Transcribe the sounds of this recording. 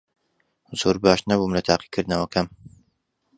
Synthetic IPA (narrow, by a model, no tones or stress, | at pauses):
z̥oːɾbaːʃnɐbuːmlɐt̪ʰaːqi̥kʰɨɾd̪nɐwɐkʰɐm